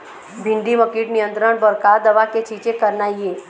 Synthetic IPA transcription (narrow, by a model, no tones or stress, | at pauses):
bʱɪ̃ɳɖiməkiʈnijə̃nt̪ɾəɽ̃bəɾkad̪ɐʋaket͡ʃiːd͡ʒekəɾnaieː